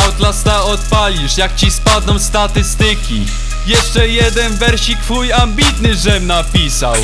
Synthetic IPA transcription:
ɔt̪last̪aɔt̪palʲiʂjak̚t͡ɕispad̪nɔ̃w̃st̪at̪ɘst̪ɘkʲḭ | jɛʂt͡ʂɛjɛd̪ɛnvɛɾɕikfujambʲit̪nɘʐɛmnapʲisa̰w

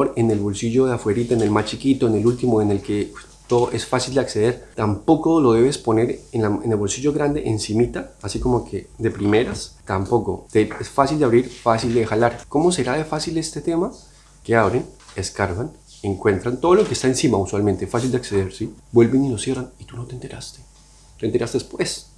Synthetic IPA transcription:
oɾene̞lβo̞lsiʝo̞ðeafwe̞ɾit̪aene̞lmat͡ʃikit̪oene̞lult̪imoene̞lke | t̪oðoʔe̞sfasild̪eakse̞ð̞e̞ɾt̪ampo̞kolo̞ð̞e̞βe̞spo̞ne̞ɾenlaene̞lβo̞lsiʝo̞ɣɾand̪e̞̰ʔensimit̪aːsiko̞mo̞kʰe̞ðe̞pɾime̞ɾast̪ampo̞ko̞t̪eesfasild̪eaβɾiɾfasild̪exalaɾko̞mo̞se̞ɾaðe̞fasile̞st̪e̞t̪e̞ma | ke̞aβɾene̞skaɾβan | eŋkwe̞nt̪ɾant̪o̞ðolokest̪aensimauswalment̪esfas̬ild̪eakse̞ðe̞ɾsibwe̞lbenino̞sje̞ranit̪uno̞t̪ent̪e̞ɾast̪e̞̥ | t̪ent̪e̞ɾast̪e̞espwe̞s

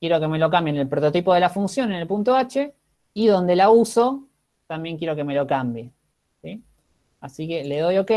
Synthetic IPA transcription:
kje̞ɾo̞ke̞me̞lo̞k̬ambjenelpɾot̪o̞t̪ipo̞ðe̞lafunsjo̞nenelpunt̪oat͡ʃe | iðo̞nd̪e̞lauso̞ | t̪ambje̞ŋkje̞ɾo̞ke̞me̞lo̞kambje | si | asikeleðo̞joke

